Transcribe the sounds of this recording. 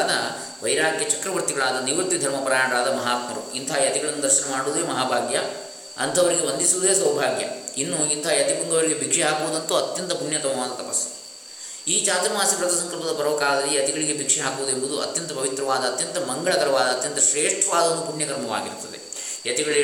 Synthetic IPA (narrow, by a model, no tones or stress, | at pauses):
nɐ | ʋɐjɾaːkjɐt͡ʃɐkɾɐʋɐɾt̪iɡɐɭaːd̪ɐniʋɐt̪ʋid̪ʱɐɾmɐpɐɾaːɳɐɾaːd̪ɐmɐɦaːt̪mɐɾṵint̪ʰaːjɐt̪iɡɐɭɐnːud̪ɐɾʃɐnɐmaːɽuʋːd̪eːmɐɦaːbʱaːɡ̪jɐ | ɐ̰nt̪ʰɐʋɐɾiɡe̞ʋɐnd̪isuʋud̪eːsɐwbʱaːɡjɐ̰inːuint̪ʰaːjɐt̪ipuŋɡɐʋɐɭiɡebʱikʂɛɦaːkuʋud̪ɐnt̪uɐt̪jɐnt̪ɐpuɳjɐt̪ɐmɐʋaːd̪ɐt̪ɐpɐs | iːt͡ʃaːt̪ɐɾɐmaːsɐpɾɐt̪ɐsɐŋkɐɾpɐd̪ɐpɐɾɔːkaːd̪ɐlijɐt̪iɡɐɭiɡe̞bʱikʂɛɦaːkuʋud̪e̞mbud̪uʔɐ̰t̪jɐnt̪ɐpɐʋit̪ɾɐʋaːd̪ɐːt̪jɐnt̪ɐmɐŋɡɐɭɐkɐɾɐʋaːd̪ɐːt̪jɐnt̪ɐʃɾeːʂʈʰɐʋaːd̪ɐnd̪upuɳjɐkɐɾmɐʋa̰ːɡiɾut̪ːɐd̪ḛ | jɐt̪iɡɐɭ